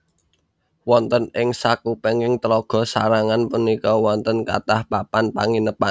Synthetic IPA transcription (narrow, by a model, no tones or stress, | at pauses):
wɔnt̪ənɪŋsakupeŋɪŋt̪əlɔɡ̥ɔ̤sa̰ɾaŋanpunikɔwɔnt̪ənka̰t̪ahpapanpa̰ŋinəpan